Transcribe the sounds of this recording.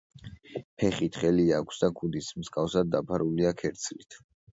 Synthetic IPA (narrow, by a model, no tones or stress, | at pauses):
pʰɛχit̪ʰχɛliakʷʰsd̪akʰud̪ismskʼafsad̪̚ːapʰaɾuliakʰɛɾt̪sʰlit̪ʰ